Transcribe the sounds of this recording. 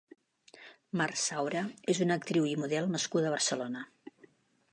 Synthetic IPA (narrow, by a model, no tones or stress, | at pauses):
marsawɾəezunək̚t̪ɾiwimuðɛlˠnəskuðəβ̞ərsəlonə